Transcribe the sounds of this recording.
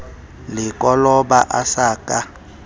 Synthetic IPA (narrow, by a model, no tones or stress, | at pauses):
lɪkʼɔlɔɓaʔasaːkʼa